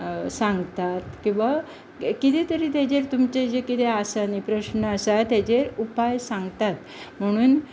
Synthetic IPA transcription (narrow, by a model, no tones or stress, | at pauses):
sãŋɡt̪at̪kĩw̃ʋa | kit̪et̪əɾiːt̪jad͡ʑeɾt̪umt͡ɕed͡ʑekit̪ʰeasanipɾəɕnəasat̪jad͡ʑeɾupajsãŋɡt̪at̪ | m̤əɽ̃uːn